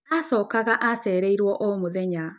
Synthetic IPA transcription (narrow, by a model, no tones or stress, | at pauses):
asɔːkaɣaʔasɛːɾeiɾwɔʔomoðɛɲa